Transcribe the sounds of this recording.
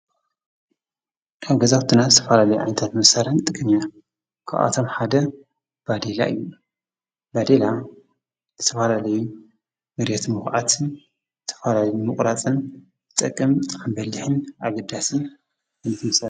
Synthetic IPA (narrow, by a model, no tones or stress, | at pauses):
ʔaβɡɐzaxt̪ʰɨnazɨt̪ʰɐfalalɐjuʕa̰jnɐt̪ʰat̪mɨsaɾant̪ʼɨkʼɨmia | kʰa̰ʔʔa̰t̪ʰo̞mħad̪ɐ | b̥ad̪ela̰ʔɨ̰jːu | bad̪ela | zɨt̪ʰɐfalalɐju | mɨɾjɛt̪mɨxʕat̪ʰn | zɨt̪ʰɐ̥falaljumɨχʼɾat͡sʼɨn | zɨt̪ʼɐkʼːɨmambɐlːɨħɨnʔaɡɐd̪asi | kʰɨnɨt̪ʰmɐsa